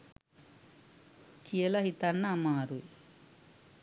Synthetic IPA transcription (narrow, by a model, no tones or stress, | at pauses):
kʰijelɐɦit̪ɐnːamaːɾu